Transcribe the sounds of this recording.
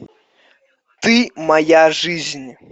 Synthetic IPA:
t̪ɨmɐjaʐɨzʲnʲ

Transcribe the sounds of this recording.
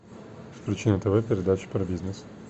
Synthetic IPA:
fpɾʲɪt͡ʃinət̪ɐvɛpʲɪɾʲɪd̪at͡ʃi̥pɾbʲiznɛs

